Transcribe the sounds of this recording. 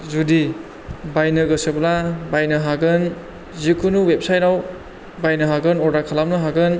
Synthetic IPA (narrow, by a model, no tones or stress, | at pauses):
zudi | bajnɯɡɯseblabajnɯɦaɡɯn | zikʰunuwep̚sajt̚naw | bajnɯɦaɡɯnɔɾdakʰalamnɯɦaɡɯn